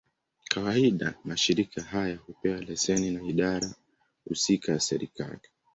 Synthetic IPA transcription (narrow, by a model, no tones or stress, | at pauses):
kʰawaiɗamaʃiɾikʰahajahupɛwalɛsɛninaiɗaɾa | hṵsikajasɛɾḭka̰li